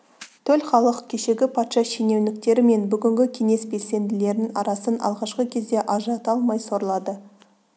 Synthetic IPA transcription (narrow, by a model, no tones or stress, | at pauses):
t̪ʰɵlχɑlˠəqkʲʰe̞ʃe̞ɡʲɪpʰɑt̪ʃɑʃene̞wnɪk̚t̪e̞ɾɪme̞nbʏɡʲɪŋɡʲɪkʲʰe̞ŋe̞sbe̞lse̞nd̪ɪle̞ɾɪnɪŋɑ̰ɾɑsənɑ̰lˠʁɑʃqəkʲʰe̞zd̪e̞ʔɑʒɑt̪ɑlˠmɑjso̞ɾəlˠɑd̪ə